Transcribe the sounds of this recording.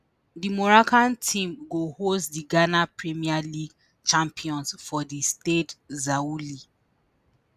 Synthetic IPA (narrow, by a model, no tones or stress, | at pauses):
dimɔɹakãntʰĩmɡohostdiɡanapɹimialiɡ | t͡ʃãmpiɔ̃nsfɔdistetzauli